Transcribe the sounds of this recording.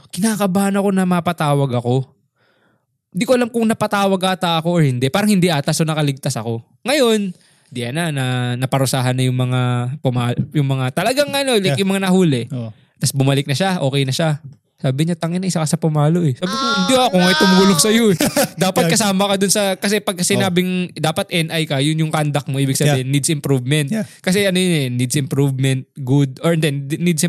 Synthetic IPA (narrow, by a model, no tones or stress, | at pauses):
kɪnaːkɐbaːnɐko̞nɐmapɐt̪aːwɐɡɐko̞ | hɪnd̪iːkoɐlamkʊŋnɐpɐt̪aːwɐɡ̚ʔaːt̪ɐʔɐko̞ʔoɹhɪnd̪ɛpaːɾɐŋhɪnd̪iʔaːt̪ɐsonɐkɐlɪɡ̚t̪asɐko̞ | ŋɐjo̞n | d̪ɪʔɐnanɐnɐpɐɾʊsaːɦɐnːɐjʊŋmɐŋapʊmaːjʊŋmɐŋat̪ɐlɐɡaŋʔɐno̞lɐkjʊŋmɐŋanɐɦuːlɛ | t̪ɐsbʊmɐlɪk̚nɐʃaʔo̞ːkɛjnɐʃa | saːbɪɲat̪ɐŋɪnːɐʔɪsɐkɐsɐpʊmaːlo̞ʔɛsaːbɪkoɪnd̪iʔɐkoŋɐjt̪ʊmuːloɡsɐjod̪aːpɐtkɐsaːmɐkɐd̪ʊnsɐkɐs̬ɛpɐɡ̚kːɐsɪnaːbɪŋd̪aːpɐt̪̚ʔɛnʔajkɐjʊnjʊŋkand̪ɐk̚moiːbɪɡsɐbiːhɪnːid̪sɪmpɾuvmɛnt̪kɐs̬ɛʔɐnojʊnɛnid̪sɪmpɾuvmɛnt̪̚ɡud̪̚oɹnd̪ɛnnid̪s